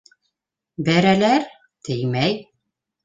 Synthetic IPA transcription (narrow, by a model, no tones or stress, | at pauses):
bæɾælæɾ | t̪ɘjmæj